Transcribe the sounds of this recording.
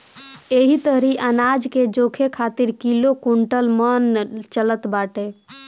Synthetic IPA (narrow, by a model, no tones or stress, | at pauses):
eɦit̪əɦɾiʔənad͡ʒked͡ʒokʰekʰat̪iɾkilokuɳʈəlmənt͡ʃələt̪baʈe